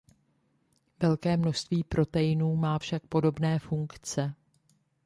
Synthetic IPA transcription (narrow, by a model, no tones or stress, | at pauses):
vɛlkɛːmno̞ʃst̪viːpɾʔo̞t̪ɛjɪnuːmaːfʃak̚po̞do̞bnɛːfuŋkt͡sɛ